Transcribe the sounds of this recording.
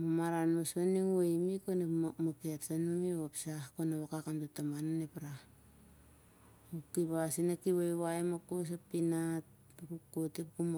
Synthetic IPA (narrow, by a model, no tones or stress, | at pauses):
mamaɾanmasaniŋajmikonemamaketsanumiβapsahkonaβakakamtutamananepɾa | ukiβasinakiβajβaemakos̬apinat̚ | kukotipkum